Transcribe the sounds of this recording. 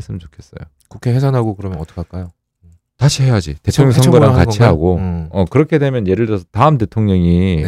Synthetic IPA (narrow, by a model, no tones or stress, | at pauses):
ɭs͈ɯmt͡ɕokʰe̞s͈ʌ̰jo̰ | kukʰeɦesʰanɦaɡokɯɾʌmʌnʌt͈ʌ̥kʰak͈ajo | taɕʰihe̞jad͡ʑḭte̞tʰoŋɲʌŋssʰʌɡoɾakat͡ɕʰiɦaɡoʌkɯɾʌkʰe̞demjʌnje̞ɾɯɭdʌsʰʌtaɯmde̞tʰoŋɲʌŋi